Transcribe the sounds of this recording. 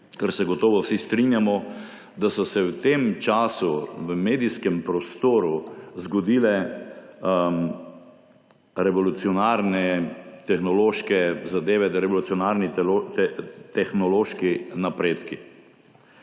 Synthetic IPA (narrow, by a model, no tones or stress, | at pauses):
kaɾsɛɡɔt̪ɔːʋɔwsist̪ɾinjamɔ | d̪asɔsɛwt̪emt͡ʃaːsuʋəmeːd̪iskɛmpɾɔst̪oːɾuzɡɔd̪iːlɛ | ɾɛʋɔlut̪siɔnaɾnɛt̪ɛxnɔloːʃkɛzad̪eːʋɛɾɛʋɔlut̪siɔnaɾni | t̪ɛxnɔloːʃkinapɾeːt̪ki